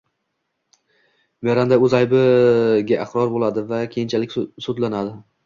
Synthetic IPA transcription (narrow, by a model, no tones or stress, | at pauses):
maɾand̪aɵzajbɪɡʲaʔɪχɾɒɾbolad̪ɪvakʲʰejɪnt͡ʃʰalɪkʲsud̪lanad̪ɪ